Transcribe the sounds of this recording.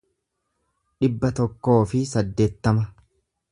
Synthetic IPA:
ᶑɪbːɐt̪ɔkːo̞ːfɪsɐd̪ːe̞ːt̪ːɐmɐ

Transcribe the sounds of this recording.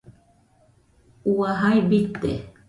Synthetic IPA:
uwaɦajbit̪ḛ

